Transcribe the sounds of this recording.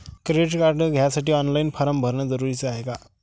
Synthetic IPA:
kɾieʈkaɾʈəɡʱjasaʈiːɔnlajinfaɾəmbʱəɾɳjad͡zəɾuɾit͡saɦeka

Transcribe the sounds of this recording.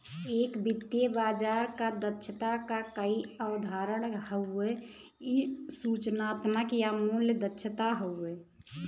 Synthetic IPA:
eːkbit̪ːjebaːd͡ʒaɾkad̪ətːʃʰət̪akakəiəʊd̪ʱaɾəɽhəe | isut͡ʃnaːt̪məkjamuljəd̪ətːʃʰət̪aɦoe

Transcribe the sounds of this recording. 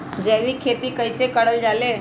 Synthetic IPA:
d͡ʑeʋ̤iːkʰet̪iːkəjsekəɽəld͡zale

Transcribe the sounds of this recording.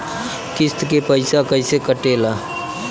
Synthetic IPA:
kɪst̪kepəɪsakəɪsekəʈela

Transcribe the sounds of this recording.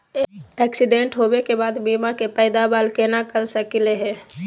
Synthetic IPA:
ɛːksɪɖẽɳʈɦowekebaːd̪biːmãkepɛːd̪abaːlkenakəɾsəkɪleɦɛ̃ː

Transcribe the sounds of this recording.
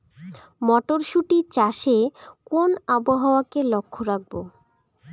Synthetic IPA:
mɔʈoɾʃuʈit͡ɕaʃekonaboɦaoakelokʰːoɾak̚bo

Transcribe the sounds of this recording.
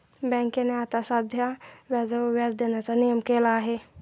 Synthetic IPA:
bɛ̃ːŋkeneat̪asad̪ʱjaʋaːzaoʋjaːd͡ʒd̪eːnet͡sanijəmkeːlaɦeː

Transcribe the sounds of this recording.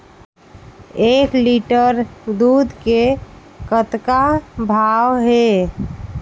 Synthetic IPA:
ekliʈəɾd̪ud̪ʱke | kət̪kabʱawɦe

